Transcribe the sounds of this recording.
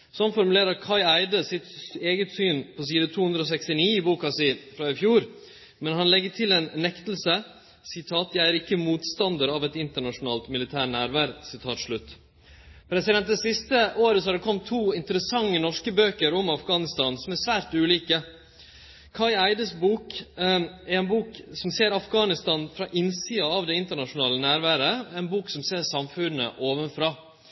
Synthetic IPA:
sɔnfɔɾmʉleːɾəɾkʰɑɪæɪd̪əsɪt̪eːɡət̪syːnpʰɔsiːd̪ət̪ʰuːhʉnd̪ɾəɔːs̬ɛkst̪ɪniːɪbuːkɑsɪfɾɑːɪfjuːɾ | mɛnhɑnlɛɡːəʈʰɪleːnːɛkt̪əl̩sə | sɪt̪ʰɑːt̪jæɪæɾɪkːəmuːt̪st̪ɑnd̪əɾɑʋɛt̪ɪnt̪əɳɑʂʊnɑːlt̪mɪlɪt̪ʰæːɾnæːɾʋæːɾsɪt̪ʰɑːt̪ʂɭʉt̪ː | pʰɾɛsɪd̪ɛnt̪̚d̪ɛsɪst̪əʔoːɾəsɔhɑd̪ɛkʰɔmt̪ʰːuːɪnt̪əɾəsɑŋːənɔʂkəbøːkəɾɔmɑfɡɑːnɪst̪ɑːnsɔmæɾsʋæːɾt̪ʉːliːkə | kʰɑɪæɪd̪əsbuːk | æɾɛnbuːksɔmseːɾɑfɡɑːnɪst̪ɑːnfɾɑʔɪnsiːɑɑʋd̪ɛɪnt̪əɳɑʂʊnɑːlənæːɾʋæːɾəɛnbuːksɔmseːɾsɑmfʉnːə̰ʔoːʋənfɾɑː

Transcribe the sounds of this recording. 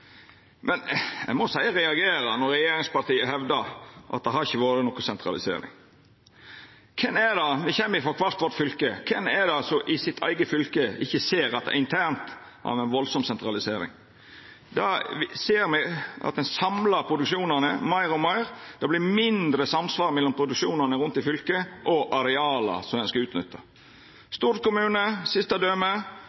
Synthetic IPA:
mʔɛnɛ̰ɡmɔsæɪəɾɛɑɡeːɾənɔɾɛjeːɾɪŋspɑɾt̪iːəɦɛʋd̪əɾʔɑ̰t̪̚d̪ɛhɑɾɪçːəʋoːɾənɔkʊsɛnt̪ɾɑ̰lɪsḛːɾɪ̰ŋ | kʰɛnæd̪ɑmɪçɛmːəɾɪfɔkʰʋɑɾt̪ʋɔɾʈ̪fʏlkəkʰɛnɛd̪ɑsɔʔɪsɪt̪ʰæ̰ɪɡəfʏlkəɪçːəseːɾɑt̪̚d̪ɛ̰ɪnt̪ʰænt̪ | ʔɑ̰ːʋɛɪnʋɔlsɔmsɛnt̪ɾɑlɪseːɾɪ̰ŋ | d̪ɑseːɾmɛʔɑ̰t̪̚d̪ɛnsɑmlɑɾpʰɾʊd̪ʉkʂuːnənəmɑɪɾɔmɑɪɾd̪̥ɑblɪmɪnd̪ɾəsɑmsʋɑːɾmɛlːɔmpʰɾʊd̪ʉkʂuːnɑnəɾʉnt̪ɪfʏlkəʔɔʔɑɾɛɑːlɑ̰sɔmɛnskɑʉːt̪nʏ̰t̪ʰːə | st̪uːɾəkʊmʉːnəsɪst̪ɑd̪øːmə

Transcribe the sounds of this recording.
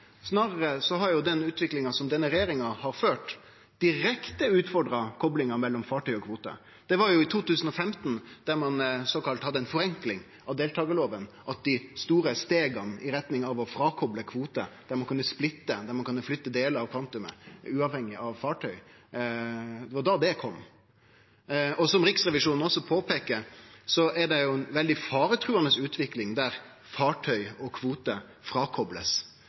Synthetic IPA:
snɑːɾəɾəsɔɦɑɾjʊd̪ɛnʉːt̪ʋɪklɪŋɑsɔmd̪ɛnːəɾɛjeːɾɪŋɑhɑɾføːʈ | d̪̥ɪɾɛkt̪əʉːt̪fɔɾɖɾɑkʰɔblɪŋɑmɛlːɔmfɑːʈʰœʏɔkʰʋuːt̪ə̰ | d̪̥ɛʋɑɾjʊɪt̪ʰuːt̪ʉːsən̩ɔfɛmt̪nd̪̥æɾmɑnsɔkɑlt̪hɑd̪ːəɛnfɔɾɛŋklɪŋ | ɑʋd̪eːlt̪ʰɑːɡəloːʋənʔɑt̪̚d̪ɪst̪uːɾəst̪eːɡɑnʔɪɾɛt̪nɪŋɑʋɔfɾɑːkʰɔbləkʰʋuːt̪ə̰d̪̥æɾmɑnkʉnːəsplɪt̪ːəd̪æɾmɑnkʉnːəflʏt̪ːəd̪eːləɑʋkʰʋɑnt̪ʉmə̰ʉːɑːʋhɛŋːɪʔɑʋfɑːʈʰœʏ | d̪ɛɑd̪ɑd̪ɛkʰɔmː | ɔsɔmɾɪksʁɛʋɪʂuːnn̩ɔsːɔpʰoːpʰeːkəɾsɔʔɛɖɛjʊɛnʋɛld̪ɪfɑːɾət̪ʰɾʉːɑnəsʉːt̪ʰʋɪklɪŋd̪æɾ | fɑːʈʰœʏɔkʰʋuːt̪ə | fɾɑːkʰɔblə̰s

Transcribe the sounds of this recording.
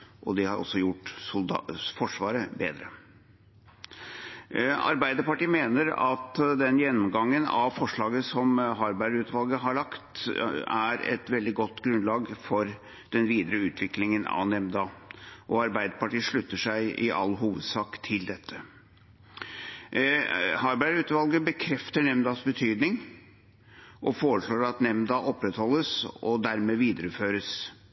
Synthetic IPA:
ʔɔd̪ɛhɑɾɔ̰sːɔjʊʈ̪ː | fɔʂʋɑːɾəbeːd̪ɾə | ɑ̰ɾbæɪd̪əpɑʈiːəmeːnəɾɑt̪d̪ɛnjɛnːɔmɡɑŋːənɑ̰ʋfɔʂɭɑːɡəsɔmɦɑɾbæɖʉːt̪ʋɑlɡəɦɑɭɑkt̪æɾɛ̰t̪ʋɛld̪ɪɡɔt̪ːɡɾʉnlɑːɡfɔɾ | d̪̥ɛnʋiːd̪əɾəʉːt̪ʰʋɪklɪŋənɑ̰ʋnɛmd̪ɑʔɔɑɾbæɪd̪əpɑʈiːʂɭʉt̪ːəʂæɪɪʔɑ̰lːɦuːʋəd̪sɑːkt̪ʰɪld̪ɛt̪ʰːə | hɑɾbæɾʉːt̪ʋɑlɡəbəkʰɾɛft̪əɳɛmd̪ɑːsbət̪ʰyːd̪nɪŋ | ʔɔfoːɾəʂɭoːɾɑt̪nɛmd̪ɑʔɔpːɾɛt̪hɔlːəsɔd̪æɾmeːʋiːd̪əɾəføːɾəs

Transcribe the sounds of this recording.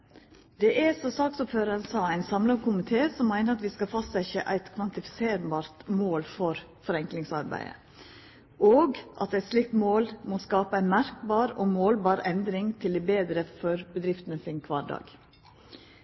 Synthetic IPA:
d̪̥ɛʔæsɔsɑːksʊpføːɾəɾnsɑːæɪnsɑmlɑkʰʊmɪt̪ʰeːsɔmːæɪnəɾɑt̪ʋiːskɑlfɑst̪ɛçəʔæ̰ɪt̪kʰʋɑnt̪ɪfɪ̥seːɾbɑːɾt̪moːlfɔɾ | fɔɾɛŋklɪŋsɑ̰ɾbæ̰ɪə̰ | ʔoːɡʔɑ̰t̪̚d̪ɛæɪt̪slɪk̚t̪moːlmɔskɑːpəæɪnmæɾkbɑːɾoːmoːlbɑːɾɛnd̪ɾɪŋt̪ʰɪld̪ɛbeːd̪ɾəfɔɾbəd̪ɾɪft̪nəfɪŋkʰʋɑːɖɑ̰ːɡ̥

